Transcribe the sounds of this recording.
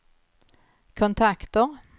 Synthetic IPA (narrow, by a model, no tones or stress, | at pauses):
kʰʊnt̪ʰakt̪əʁ